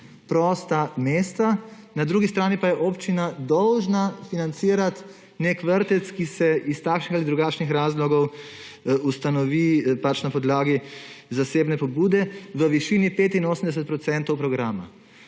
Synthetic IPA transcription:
pɾɔːst̪ameːst̪a | nad̪ɾuːɡist̪ɾaːnipajɛʔoːpt͡ʃinad̪ɔwʒnafinant̪siːɾat̪ | nekʋəɾt̪ɛt̪skisɛist̪aːkʃnixalid̪ɾuɡaːt͡ʃnixɾaːzlɔɡɔw | ust̪anɔʋipat͡ʃnapɔd̪laːɡizaseːbnɛpɔbuːd̪ɛʋəʋiʃiːnipeːt̪inoːsəmd̪ɛs̬ɛt̪pɾɔt̪sɛnt̪ɔwpɾɔɡɾaːma̰

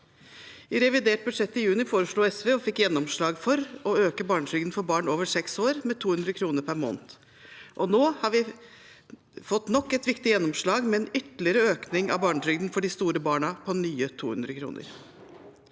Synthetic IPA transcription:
ɪɾɛʋɪd̪eːʈ̚bʉd̪ʂɛt̪ːɪjʉːnɪfoːɾəʂɭuːɛsʋeːɔfɪkːjɛnːɔmʂɭɑːɡfɔɾɔøːkəbɑːɳʈɾʏɡd̪n̩fɔɾbɑːɳoːʋəsɛksoːɾmɛt̪ʰuːhʉnd̪ɾəkʰɾuːnəɾpʰæɾmo̰ːnt̪ | ʔɔnoːhɑɾʋɪ | fɔt̪ːnɔkːɛt̪ʋɪkt̪ɪjɛnːɔmʂɭɑːɡmɛɛnʏt̪lɪəɾəøːknɪŋɑ̰bɑːɳʈʰɾʏɡd̪n̩fɔɖɪst̪uːɾəbɑːɳɑpʰɔnyːət̪ʰṵːhʉ̰nd̪ɾəkʰɾṵːnʔə̰ɾ

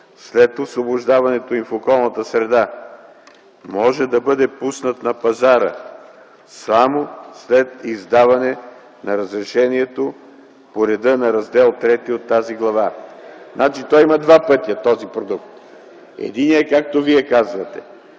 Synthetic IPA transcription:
slɛt̪ofsvobʊʒd̪avɐnɛt̪oimfokɔlˠnɐt̪əsɾɛd̪a | mɔʒɛd̪ɐbɤd̪ɛpusnət̪nɐpɐzaɾə̰ | samoslɛt̪izd̪avɐnɛ | nɐɾɐzɾɛʃɛniɛt̪o | poɾɛd̪ɤnɐɾɐzd̪ɛlˠt̪ɾɛt̪iot̪ːaziɡlˠɐvaznat͡ʃit̪ɔjimɐd̪vapɤt̪iɐt̪ːɔzipɾod̪ukt̪ | ɛ̰d̪iniɛkak̚t̪oviɛkazvɐt̪ɛ

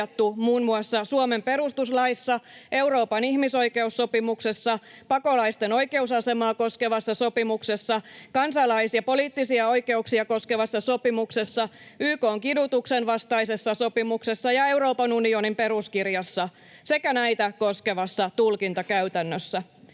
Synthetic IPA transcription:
ɑt̪ːumuːnmuɑsːɑsuome̞mpe̞ɾust̪uslɑisːɑe̞wɾo̞ːpɑnihmiso̞jke̞usːo̞pimukse̞sːɑpɑko̞lɑist̪eno̞jke̞usɑse̞mɑːko̞ske̞ʋɑsːɑso̞pimuksesːɑkɑnsɑlɑisiɑpo̞liːt̪ːisiɑo̞jke̞uksiɑko̞ske̞ʋɑsːɑso̞pimuksesːɑyːko̞ːŋkidut̪uksenʋɑst̪ɑise̞sːɑso̞pimukse̞sːɑjɑe̞wɾo̞ːpɑnunio̞nimpe̞ɾuskirjɑsːɑ | se̞kænæjt̪æko̞ske̞ʋɑsːɑt̪ulkint̪ɑkæyt̪ænːøsːæ

